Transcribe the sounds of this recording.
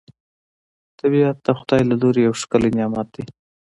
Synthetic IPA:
t̪abiat̪̚ːaxʊd̪ɑjlaloɾejawʃkəlenjɑmɑt̪̚d̪i

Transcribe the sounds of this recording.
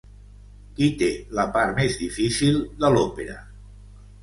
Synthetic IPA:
kit̪eləpaɾt̪mezðifisilˠd̪əlopeɾə̰

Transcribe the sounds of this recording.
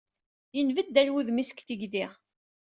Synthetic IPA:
jənvəd̪ːælwuðmisə̥kθiɡd̪iʁ

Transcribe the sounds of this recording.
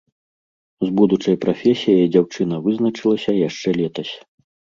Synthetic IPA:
zbud̪ut͡ʂɐjpɾafʲɛsʲijɐd͡zʲawt͡ʂɨnɐvɨznɐt͡ʂɨlˠɐsʲɐjaʂt͡ʂɛlʲɛt̪ɐsʲ

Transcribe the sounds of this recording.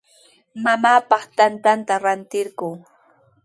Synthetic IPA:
mamaːpɑχt̪ant̪ant̪aɾant̪ɪɾɢʊː

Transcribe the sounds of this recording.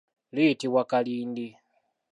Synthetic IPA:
liːtiβwakaliːndi

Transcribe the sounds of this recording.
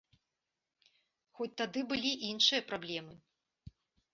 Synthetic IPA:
xɔt͡sʲt̪ad̪ɨbɨlʲiʔinʂɨjɐpɾablʲɛmɨ

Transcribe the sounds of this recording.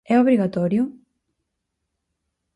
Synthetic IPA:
ɛoβɾiɣat̪ɔɾjʊ

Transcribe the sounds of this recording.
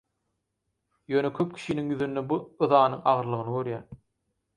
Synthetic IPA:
jøːnekʰøp̚kʲʰi̥ʃiniŋjyðynd̪ebuɯðɑːnɯŋɑ̰ʁɯɾlˠɯʁɯnɯɡø̞ɾjæː

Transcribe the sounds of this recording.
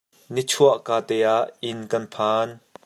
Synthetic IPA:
nit͡sʰuɐʔkaːt̪ɛːaʔɪnkɐnpʰaːn

